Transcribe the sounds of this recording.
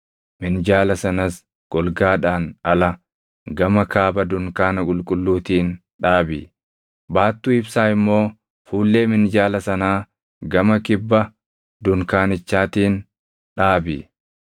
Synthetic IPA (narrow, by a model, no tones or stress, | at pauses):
mɪnd͡ʒaːlɐsɐnɐs | ɡ̥ɔlɡaːᶑaːnɐlɐ | ɡɐmɐkaːbɐd̪ʊŋkaːnɐkʼʊlkʼʊlːuːt̪iːn | ᶑaːbɪ | baːt̪ːuːɪbsaːɪmːo̞ː | fuːlːe̞ːmɪnd͡ʒaːlɐsɐnaː | ɡɐmɐkɪbːɐ | d̪ʊŋkaːnɪt͡ʃːaːt̪iːn | ᶑaːbɪ